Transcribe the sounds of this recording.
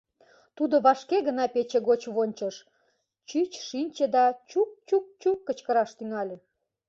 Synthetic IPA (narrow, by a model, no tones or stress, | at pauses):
t̪ud̪oβɑʃkeɣənɑpet͡ɕeɣot͡ɕβonʲt͡ɕəʃ | t͡ɕyt͡ɕʃinʲt͡ɕed̪ɑt͡ɕuk̚t͡ɕuk̚t͡ɕukːət͡ɕkəɾɑʃt̪yŋɑlʲe